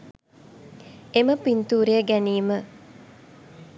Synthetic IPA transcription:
eməpint̪uːɾejəɡæniːmə

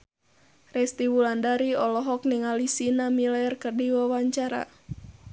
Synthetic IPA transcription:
rɛst̪iwulandaɾiɔlɔɦɔkniŋalisinamilaɛrkərdiwawaɲt͡ʃaɾa̰

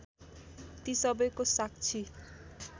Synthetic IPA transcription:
t̪isɔbɔjkosakt͡ɕʰi

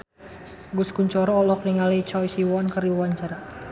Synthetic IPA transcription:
ɡuskuɲt͡ʃɔɾɔːlɔk̚niŋalit͡ʃɔjsiwɔnkəriwaɲt͡ʃaɾa

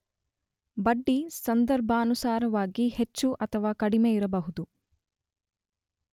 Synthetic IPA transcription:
bɐɖːisɐnd̪ɐɾbʱɐːnusaːɾɐʋaːɡihet͡ʃːuʔɐt̪ʰɐʋaːkɐɽimeiɾɐbɐɦud̪u

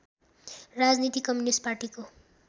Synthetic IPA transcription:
rad͡znit̪ikʌmjunisʈ̚parʈiko

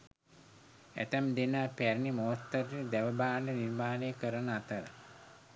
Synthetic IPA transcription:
æ̰t̪əmd̪enapæɾnimot̪ːəɾjid̪æʋəbaːnəniɾmaːnejəkəɾənəat̪əɾə̰

